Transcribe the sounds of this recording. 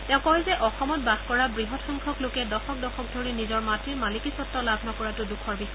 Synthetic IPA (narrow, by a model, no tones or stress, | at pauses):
tɛ̃ʊ̃kɔɦɛzɛʔɔxɔmɔtbadʱkɔɹabɹiɦɔtxɔŋkʰɔklokɛdɔxɔk̚dɔxʰɔk̚dʱɔɹinizɔɹmatɹiɹmalikisɔtːɔlabʱnɔkɔɹatʊdukʰɔɹbis